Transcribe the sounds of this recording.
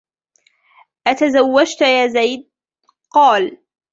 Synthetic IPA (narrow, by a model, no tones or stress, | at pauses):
ʔat̪azawːad͡ʒt̪jaːzajd̪̚ | qɑːl